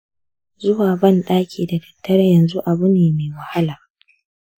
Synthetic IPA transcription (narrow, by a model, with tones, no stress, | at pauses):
zʊ˦waː˨bɐ˦˨nɗaː˦kʲʰiː˨da˨fi̥˨tːɐ˦ɾjɐ˨nzu˦ʔa˨bu˦neː˨meː˨wɐ˨ha˦laː˨